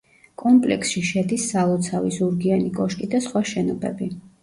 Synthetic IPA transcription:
kʼɔmpʼlɛ̰ksʃiʃɛd̪isːalˠɔt̪sʰavizuɾɡianikʼɔʃkʼid̪asχwaʃɛnɔbɛ̰bi

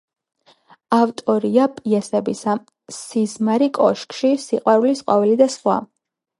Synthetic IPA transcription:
avt̪ʼɔɾiapʼiɛsɛbisa | sizmaɾikʼɔʃkʼʃisiqʼwaɾulisqʼwavilid̪asχwa̰

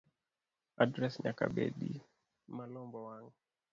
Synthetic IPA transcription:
adɾɛsɲaka̰bḛɗḭ | malɔmbɔwaŋ

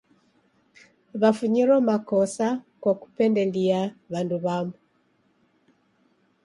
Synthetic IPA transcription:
βafuɲiɾɔmakosakwoku̥pendeliaβanduβamu

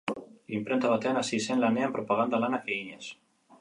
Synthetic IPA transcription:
limpɾent̪aβat̪eanasisenlaneampɾopaɣand̪alanakeiɲes

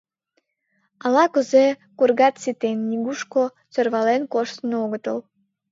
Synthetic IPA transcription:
ɑlɑkəzekurɣɑt̪sit̪enːiɣuʃko | t͡sørβɑlenkoʃt̪nooɣət̪ə̰l

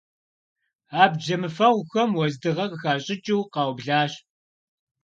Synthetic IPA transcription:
aːb̚d͡ʒɐmɨfɐʁʷxɐmwɔzdɨʁɐqəxaːɕʼɪt͡ʃʼiwqɑwbɮaːɕ

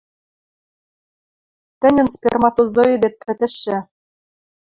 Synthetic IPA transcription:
t̪ɘ̆nʲɘ̆nspʲermɑt̪ozoid̪et̪̚pɘ̆t̪ɘ̆ʃːɘ̆

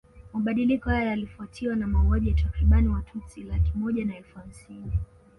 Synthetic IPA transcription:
maɓaɗilikɔhajɔalifuatʰiwanamauaʄijatakɾiɓaniwatʰusilakimɔʄanaɛlfuamsini

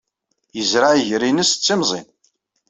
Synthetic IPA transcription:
jəzɾaʕʝɾinəst͡sːimzˤḭn

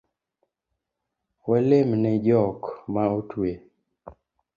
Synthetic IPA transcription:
wɛlemnɛd͡ʒɔkmaotʰwe

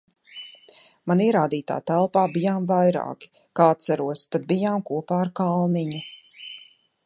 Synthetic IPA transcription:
maniɛɾaːd̪iːt̪a̰ːt̪ælˠpaːbijaːmvajɾa̰ːki̥ | kaːt̪saɾuɔst̪ad̪̚bijaːmkuɔpaːɾkalˠniɲu

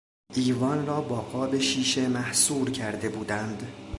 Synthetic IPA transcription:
ʔiːvɒːnrɒːbɒːɡɒːbe̞ʃiːʃe̞mæhsuːɾcʰæɾd̪e̞buːd̪ænd̪

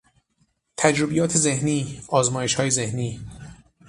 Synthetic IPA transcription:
t̪ʰæd͡ʒɾobijɒːt̪ʰe̞zehniːɒːzmɒːjeʃhɒːje̞zehniː

